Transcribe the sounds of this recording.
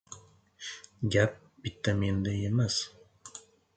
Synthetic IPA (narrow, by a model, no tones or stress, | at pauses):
ɡʲæp̚ | bit̪ːamind̪ejemas